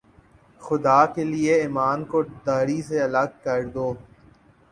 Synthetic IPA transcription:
xʊd̪aːkelieɪːmaːnkod̪aːɾiseɐləɡ̚kɐɾd̪oː

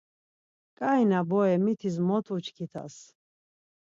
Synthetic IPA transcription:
kʼainabɔɛmit̪ʰis̬mɔt̪ʰut͡ʃʰkʰit̪ʰa̰s

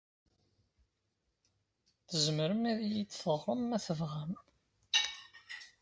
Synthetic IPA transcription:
θəzməɾəmiðijit͡sːθəʁˤːəmːæθəvʁæm

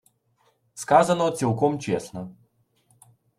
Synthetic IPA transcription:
skazɐnɔt̪sʲilˠkɔmt͡ɕesnɔ

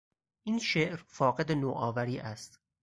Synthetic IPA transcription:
ʔinʃeʔɾfɒːɣed̪enoːʔɒːvæɾiːʔæst̪

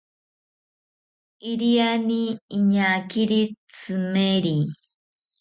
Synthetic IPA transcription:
iɾianiːɲakiɾit͡sɨmeɾi

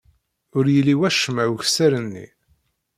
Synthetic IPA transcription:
ʊɾjəlːiwæʃəmæwçsæɾənːḭ

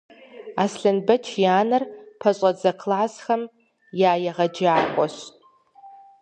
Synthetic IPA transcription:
asɬɨnbɐt͡ʃʰjaːnɨrpʰaɕʷʼad͡zɐkʰlaʕasxɐm | jaːjaʁɐd͡ʒaːχʷʼɔʃʼ

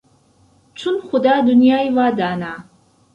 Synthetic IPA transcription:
ʈ͡ʂʰʊnχʷʊd̪aːd̪ʊnjaːivaːd̪aːnaː

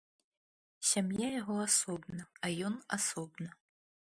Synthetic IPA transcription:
sʲamjajaʁʷoasobnɨajona̰sobnɨ

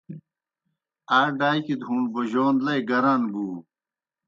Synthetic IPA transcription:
aːɖaːjkid̪ʱũːɳɖboʑoːnlɐjɡɐɾanɡuː

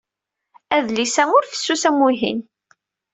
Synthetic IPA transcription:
æðlisæŋʊɾfə̥sːusæmuɦḭn

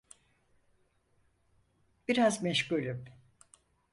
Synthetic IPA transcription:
b̥iɾazmɛʃcylʲym

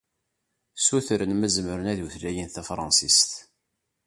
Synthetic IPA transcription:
suθɾənmæzməɾənæðuθlæjənθæfɾˤɑ̰nsist̪

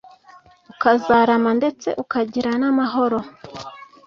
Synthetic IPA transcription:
ukazaːɾamande̞t͡se̞̰ʔukaɟiɾanamaɦo̞ɾo̞

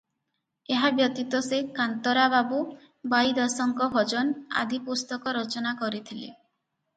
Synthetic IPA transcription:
eɦabjɔt̪it̪ɔsekant̪ɔɾababu | bajd̪ɔsɔŋkɔbʱɔd͡ʒɔna̰d̪ʱipust̪ɔkɔɾɔt͡ʃɔnakɔɾit̪ʰilḛ

